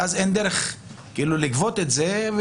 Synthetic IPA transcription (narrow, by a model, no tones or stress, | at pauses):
azend̪eɾeχ | kiilulikvot̪etzev